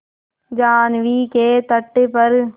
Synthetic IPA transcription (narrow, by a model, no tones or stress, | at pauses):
d͡ʒaːnʋikeːt̪ɐʈːɪpɐɾ